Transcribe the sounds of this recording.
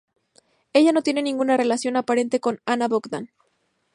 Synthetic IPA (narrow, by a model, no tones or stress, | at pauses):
e̞ʝano̞t̪je̞ne̞nĩŋɡunare̞lasjo̞napaɾe̞nt̪e̞ko̞nanaβo̞kd̪an